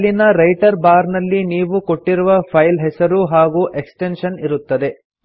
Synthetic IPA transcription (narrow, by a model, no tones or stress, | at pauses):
linɐɾɐjʈɐɾbaːɾnɐlːiniːʋuko̞ʈːiɾuʋɐpʰɐjlɦɛsɐɾuɦaːɡuːʔeksʈenʂɐniɾut̪ːɐd̪e̞